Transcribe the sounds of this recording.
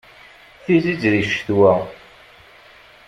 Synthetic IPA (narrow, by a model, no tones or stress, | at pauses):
θizizðiʃθwæ